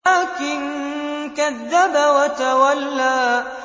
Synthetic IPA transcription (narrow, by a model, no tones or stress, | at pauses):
kɪnkɐd̪ːɐbawɐt̪ɐwɐlːaː